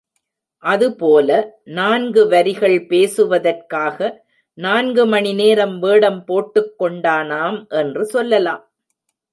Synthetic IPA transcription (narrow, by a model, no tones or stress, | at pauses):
ʔɐðɯpoːlɐnaːnɡɯʋɐɾɪɣɐɭpeːsɯʋɐðɐrkaːɣɐ | naːnɡɯmɐɳɪneːɾɐmʋeːɽɐmpoːʈːɯkːɔɳɖaːnaːmʔɛndrɯsɔlːɐla̰ːm